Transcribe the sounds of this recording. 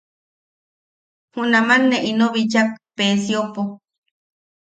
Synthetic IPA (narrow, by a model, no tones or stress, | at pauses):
hũnãmanːẽʔinoβit͡ʃak̚pesiopo